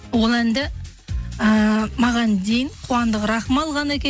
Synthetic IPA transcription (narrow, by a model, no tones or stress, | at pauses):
wo̞lˠænd̪ɪ | əmɑʁɑnd̪ejɪɴqʰuwɑnd̪əqɾɑχmɑlˠʁɑnækʲe